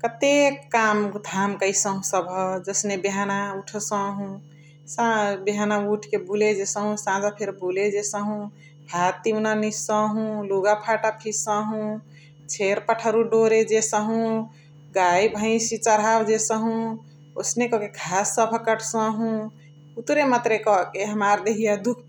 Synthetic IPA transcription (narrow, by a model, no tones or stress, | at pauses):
kət̪ekːamd̪ʱamkəjsəɦũsəbʱəd͡ʒəsnebeɦanauʈʰsə̃ɦũ | sãbeɦanauʈʰkebʱuled͡ʒesə̃ɦũsãd͡ʒapʰeɾbuled͡ʒesəɦũ | ɦat̪ːimnanisə̃ɦũluɡapʰaʈapʰisə̃ɦũ | t͡ʃʰeɾpəʈʰəɾuɖoɾed͡ʒesəɦũ | ɡajbʱə̃ɪ̃sit͡ʃəɾɦabd͡ʒesəɦũ | osnekɔkekʰasːəbʱəkəʈʰsə̃ɦũ | ut̪ɾemat̪ɾekɔkeɦəmaɾd̪eɦijad̪ukʰ